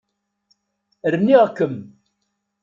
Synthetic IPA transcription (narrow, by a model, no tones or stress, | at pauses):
ɾənːiʁkːəm